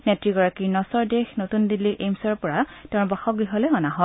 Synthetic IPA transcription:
nɛtɹiɡɔɹakiɹnɔsɔɹdexnotundilːiʔemsɔɹpɔɹatɛʊ̃ɹbaxɔk̚biɦɔlɛɔnaɦɔ

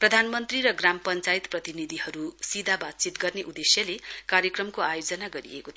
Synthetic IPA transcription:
prʌd̪ʱanmʌnt̪rirʌɡramʌpʌnt͡sajit̪prʌt̪inid̪ʱiɦʌɾusid̪ʱabat̪̚t͡sit̪ɡʌrneʔud̪esjʌlekaɾjʌkrʌmkoajod͡zʌnaɡʌɾḭḛko

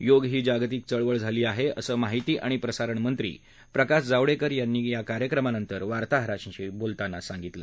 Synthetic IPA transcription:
joɡɦiːd͡ʑaɡt̪iːk̚t͡səɭʋəɭd͡zʱaliːaɦeə̰səːmaɦit̪iːʔaɽ̃ipɾəsaɾəɳmənt̪ɾḭː | pɾəkaɕd͡zaʋɭekəɾjanːiːjakaɾjəkɾəmanənt̪əɾʋaɾt̪aɦɾaɕĩɕiːbolt̪anːasaŋɡit̪lə

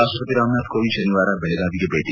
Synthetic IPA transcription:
aːsot̪iɾaːmnaːd̪kobiʃɐniʋaːɾabɛleɡaːbikebeːʈi

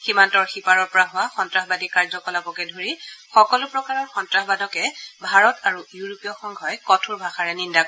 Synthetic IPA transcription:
ximantɔɹxipaɹɔɹpɔɹaɦʊwaxɔntɹaɦbadikaɹzɔkɔlapɔkɛdʱoɹixɔkɔlʊpɹɔkaɹɔɹxɔntɹaɦbadɔkɛbʱaɹɔtʰaɹujuɹopijɔxɔŋɡʱɔjkɔtʰuɹbʱaxaɹɛnindakɔ

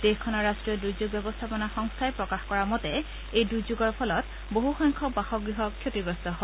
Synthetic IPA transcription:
dexkʰɔnɔɹastɹijɔdujzuɡ̚bɛbɔst̪ʰapɔnaxɔŋstʰajpɹɔkaxkɔɹamɔtɛ | ejdujzuɡɔɹpʰɔlɔt | boɦuxɔŋkʰɔbaxɔɡɹiɦɔkʰːjotiɡɹɔstɔɦɔ

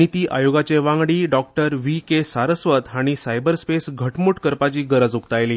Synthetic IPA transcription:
it̪iːʔajoɡat͡ɕeʋãŋɡɽiːɖɔk̚ʈəɾʋikesaɾəsʋət̪aɽ̃isajbəɾspesɡʱəʈmuːʈkəɾpat͡ɕiːɡəɾəd͡zuk̚t̪ajliː

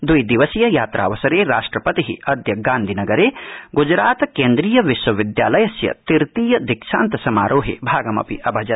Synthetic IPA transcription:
d̪ujd̪iʋɐsijɐjaːt̪ɾʔa̰ːʋɐsɐɾeːɾaːʂʈɾɐpɐt̪iɦḭɐd̪ʱjɐɡaːnd̪ʱinɐɡɐɾeːɡud͡ʒɾaːt̪ɐkeːnd̪ɾiːjɐʋiʃʋɐʋid̪jaːlɐjɐsjɐ̰t̪iɾt̪iːjɐd̪ikʃa̰ːnt̪ɐsɐmaːɾʔoːɦḛːbʱaːɡɐmɐ̰pḭʔɐbʱɐd͡ʒɐ

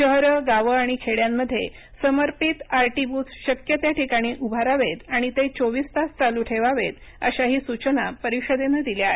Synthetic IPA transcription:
ɕəɦɾəɡaʋəaɽ̃ikʰeɭjamːəd̪ʱːje | səməɾpit̪aɾʈibut͡sɕəkjət̪jaʈikaɽ̃iːʔubʱaɾaʋet̪aɽ̃it̪et͡soʋiːst̪ast͡saluʈʰeʋaʋet̪ | ə̰ɕaɦiːsut͡ɕənapəɾiɕəd̪enəd̪iljaḛ

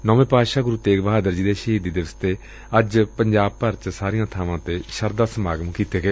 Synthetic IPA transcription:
nɔːʋẽːpaːʃaːɡʊɾut̪ːeːkʋəɦaːd̪əɾd͡ʒiːd̪eːʃəɦiːd̪iːd̪ɪʋəst̪ʰeː | əd͡ʒpəɲd͡ʒaːb̚pəɾt͡ʃəsaːɾijãːt̪ʰaːʋãːt̪eːʃəɾd̪aːsəmaːɡəmkiːt̪eːɡeː

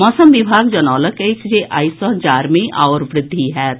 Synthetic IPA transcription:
mɔːsəmʋɪbʱaːɡd͡ʒɐnɔːləket͡ʃd͡ʒeːʔaːisɔːd͡ʒaːɾmeʔa̰ːoɾʋɾɪd̪ʱːiɦɛːt̪

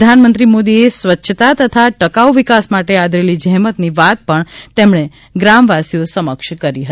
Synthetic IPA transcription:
d̪ʱanmə̃nt̪ɾimod̪iesʋətːʃʰət̪at̪ət̪ʰaʈəkauʋikasmaʈead̪ʱɾelid͡ʒɛɦmət̪niʋat̪̚pəɳt̪emɳ̃e | ɡɾamʋasijosəməkʃkəɾiɦəi

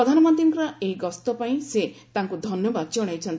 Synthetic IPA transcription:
ɾɔd̪ʱanɔmɔnt̪ɾiŋkɔɾaejɡɔst̪ɔpaĩset̪aŋkud̪ʱɔnjɔbad̪̚d͡ʒɔɽ̃ajt͡ʃʰɔnt̪

